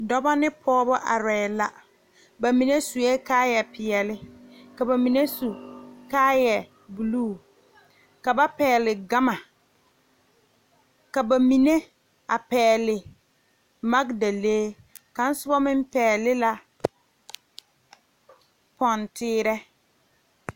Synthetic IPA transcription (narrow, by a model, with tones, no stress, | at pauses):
dɔ˦ba˦nɪ˦pʰɔː˦bɔ˦ʔa˨ɾɛː˨la˨ | ba˨mi˨ne˦su˨e˦kaː˦jɛ˨pɪ˨jɛ˨lɪ˦ka˨ba˨mi˨ne˦su˨kaː˦jɛ˨ | bu˨luː˦˨ | ka˨ba˦pɛː˨lɪ˨ɡa˦ma˨ | ka˨ba˨mi˨ne˦ | a˨pɛː˨lɪ˨ | ma˦ɡda˨leː˦ | ka˨n̩˦sʊ˦bɔ˦mɪ˦m˦pɛː˨lɪ˦la˨ | pɔ˨ntɪː˦ɾɛ˦